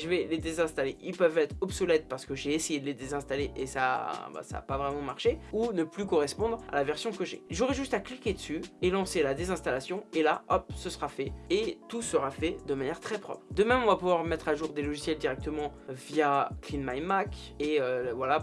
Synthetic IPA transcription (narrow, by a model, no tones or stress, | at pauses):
ʒəvɛled̪ezɛ̃st̪aleʔilpœvɛt̪χɔbsɔlɛt̪̚paʁsə̥kəʒeːsejed̪əled̪ezɛ̃st̪aleʔesa̰ba̰sa̰ːpavʁɛmɑ̃maʁʃeunəplykɔʁɛspɔ̃d̪ʁa̰lavɛʁsjɔ̃kəʒɛ̰ʒuʁɛʒyst̪aklikʲed̪əsyelɑ̃selad̪ezɛ̃st̪alasjɔ̃elaʔɔp̚səsʁafɛet̪usəʁafɛd̪əmanjɛʁt̪χɛpχɔ̰pχd̪əmɛmɔ̃vapuvwaʁmɛt̪χaʒuʁd̪elɔʒisjɛld̪iʁɛk̚t̪əmɑ̃vjaklinmajmak | eøvwala